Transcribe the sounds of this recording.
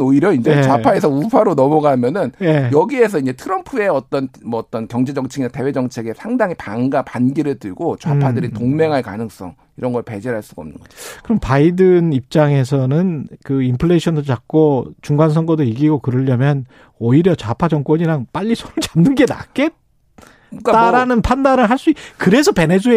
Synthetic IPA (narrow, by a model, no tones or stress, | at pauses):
oiɾjʌind͡ʑet͡ɕapʰae̞sʰʌupʰaɾonʌmʌɡamjʌnɯnjejʌɡie̞sʰʌiɲd͡ʑe̞tʰɯɾʌmpʰue̞ʌt͈ʌnmʌːt͈ʌnkjʌŋd͡ʑe̞d͡ʑʌŋt͡ɕʰiɡinate̞we̞d͡ʑʌŋt͡ɕʰe̞ɡe̞sʰaŋdaŋipaŋɡapanɡiɾɯɭtɯɭɡot͡ɕapʰadɯɾitoŋme̞ŋɦaɭkanɯŋs͈ʌ̰ŋ | iɾʌnɡʌɭpe̞d͡ʑeɾɦaɭs͈uɡaʌmnɯ̰nŋɡʌd͡ʑokɯɾʌmpaidɯnip̚t͡ɕ͈aŋe̞s̬ʰʌnɯnkɯimpʰɯɭeɕʰʌndoɭt͡ɕak̚k͈ot͡ɕuŋɡans̬ʰʌŋɡʌdoiɡiɡokɯɾɯʎːʌmjʌn | ʌiɾjʌt͡ɕapʰad͡ʑʌŋk͈wʌɲiɾaŋp͈aʎːisʰoɾɯɭt͡ɕamnːɯnɡe̞na̰k͈e̞t̚ | t͈aɾanɯnpʰandaɾɯɭɦaɭs͈uikɯɾe̞sʰʌpe̞nesʰue